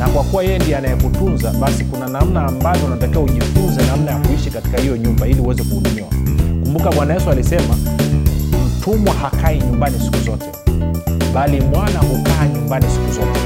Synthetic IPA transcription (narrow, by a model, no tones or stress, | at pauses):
nakwakuwajɛjɛndiɔanajɛkutunzaɓasikunanam̩naːmbavjɔunatakiwauʄifunzɛnam̩najakuiʃikati̥kahijɔɲumbailiuwɛzɛkuːɗumiwa̰kumbukaɓwanajɛsualisɛma | m̩tʰumwahakʰaiɲumbanisi̥kuzɔtɛ | ɓalimwanahukaːɲumbanisi̥kuzɔtɛ